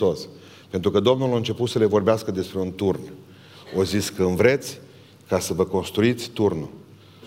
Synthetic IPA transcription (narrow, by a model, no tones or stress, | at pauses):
os | pe̞nt̪ɾukəd̪o̞mnuloɨnt͡ʃe̞put̪səle̞vo̞rbeaskəd̪e̞spɾe̞unt̪urn | oziskɨnvɾe̞t̪sʲ | kasəvəko̞nst̪ɾuit̪sʲt̪urnu